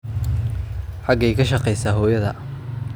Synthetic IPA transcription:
ħɑɡɛjkʰɐʃɑqɛjsaːɦɔːjɐðɐ

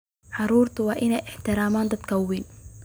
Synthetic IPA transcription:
ħɑɾuːɾt̪ʊwaʔɪnɛːʔɪħt̪ɪɾaːmaːnd̪at̪kʰawːin

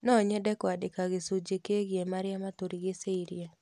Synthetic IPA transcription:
nɔɲɛdɛkwadɪkaɡɪsud͡ʒekeɡjemaɾɪjamat̪oɾiɡeseiɾia

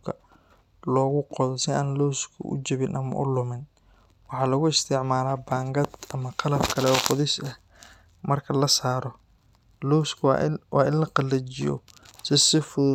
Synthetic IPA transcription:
kʰɐ | lɔːɣʊqɔðɔsɪaːnlɔːskʰʊ̰ʔʊ̰t͡ʃɐβɪnʔɐmɐ̰ʔʊlʊmɪn | wɑħɑːlɐɣʊɪst̪ʰɪʕmaːlaːbaːŋɡɐd̪ɐmɐqɑlɐbkʰɐlɛɔːqɔðɛsɐh | mɐrkʰɐlɐsaːɾɔ | lɔwskʰwɑ̰ːɪnlɐqɑlːɐt͡ʃɪjɔ̰sɪsɪfʊ

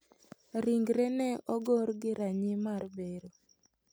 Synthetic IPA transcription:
ɾiŋɡɾɛnɛɔɡoɾɡɪɾaɲɪmarbeɾo

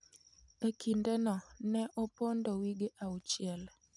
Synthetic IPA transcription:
ekʰindɛnɔnɛʔopondowiɡeʔaut͡ʃɪɛl

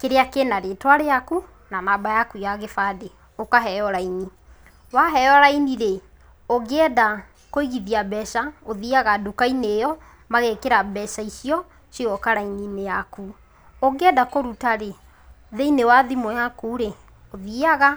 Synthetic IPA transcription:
keɾeakenaɾetwaɾeaku | nanabajakujaɣefade | okaɦɛɔɾaini | waɦɛɔɾainiɾe | oɡeɛda | koiɣiðiabɛʃaoðiaɣadukainejɔ | maɣekeɾabɛʃaiʃiɔ | siɣɔkaɾaininejaku | oɡɛdakoɾutaɾe | ðeinewaðimojakuːɾe | oðiaɣa

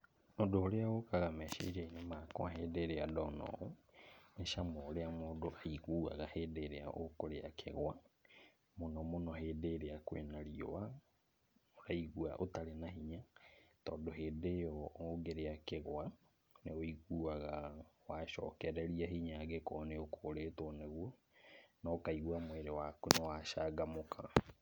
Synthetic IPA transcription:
odooɾeaɣokaɣamɛʃḛɾeinemakwaɦeːdeɾeadɔnɔ̰oneʃamɔoɾeamoːdoaiɣuːa̰ɣaheːdeɾea̰ʔokoɾea̰kʰḛɣwa | monɔmonɔɦeːdeɾeakwḛnaɾio̰wa | oɾaiɣwaʔotaɾenahiɲatɔːndoɦeːdejɔoɡeɾeakeɣwa | neoiɣuːaɣawaʃɔ̰ːkɛɾɛɾiaɦiɲaɣekɔːneokʰoːɾeːtwɔneɣwɔ | nɔkaiɣuamweɾewakunewaʃaːɡamokʰa

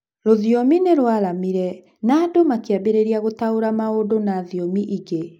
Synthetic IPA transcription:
ɾoðjɔmineɾwaɾamiɾɛ | naːdomakeabeɾeɾiaɣotaoɾamaodonaðjɔmiʔiɡe

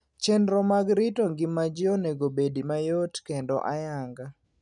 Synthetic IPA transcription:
t͡ʃɛnɾɔmaɡɾɪtoŋɡɪmad͡ʒɪɔnɛɡobedimajotkendɔ̰ʔajaŋɡa

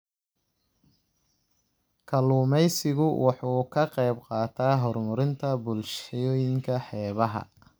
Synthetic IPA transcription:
kʰɐluːmɛjsɪɣʊwʔɑħuːkʰɐqɛjbqɑːt̪ʰaːɦɔrmʊɾɪnt̪ʰɐbʊlʃjɔːjɪŋkʰɐħɛːβɐɦɐ̰

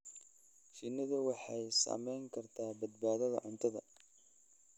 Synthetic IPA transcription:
ʃɪnːɐðʊwɑħɑjsa̰ːmɛjŋkʰɐrt̪ʰaːbɐd̪baːðɐðɐ̰ʕʊnt̪ʰɐðɐ̰

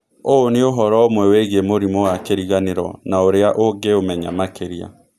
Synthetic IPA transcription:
oːneoɦɔɾɔomwɛweɣemoɾimɔwakeɾiɣaneɾɔnaoɾeaʔoɡeomɛɲamakʰeɾia̰

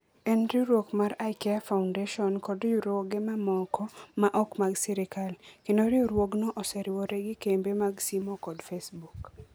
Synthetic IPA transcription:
enɾiɾwokmaɾajkɛafaʊndeʃɔnkɔdjuɾoɡemamɔkɔmaʔɔkmaɡsiɾɪkalkendoɾioɾwoɡnɔʔɔsɛɾɪwɔɾeɡikembemaɡsimɔkɔdfesbuk

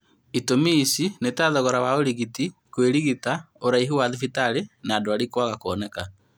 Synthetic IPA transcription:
itomisinetaðɔɣɔɾawaoɾiɣitikweɾiɣita | oɾaiɦuwaðifitaɾenaːdoaɾikowaɣakoɔnɛka

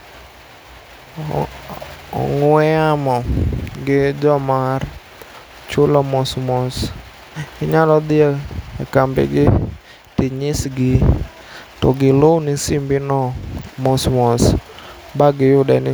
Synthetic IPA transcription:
ɔ̰ŋʊɛamɔɡɪd͡ʒɔmar | t͡ʃʊlɔmɔsmɔs | ɪɲaɾɔd̪ɪakambɛ̰ɡɪ | t̪ɪɲɪsɡɪ | tɔɡɪlonɪsimbɪnɔmɔsmɔs | baɡɪjʊdɛnɪ

